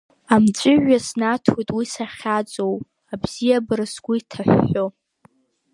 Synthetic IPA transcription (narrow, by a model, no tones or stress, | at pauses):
amt͡ʃʷʼʊʕasnatʰojtʼwisaχʲat͡sʼow | abz̥ijabɨrɨsɡʷʊitʰaħʷːo